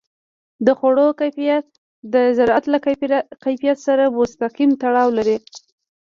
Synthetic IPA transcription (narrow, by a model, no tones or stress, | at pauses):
d̪əxoɽokajijat̪̚ | d̪əzaɾɑat̪lakajfijat̪saɾamost̪aqimt̪aɽɑwlaɾi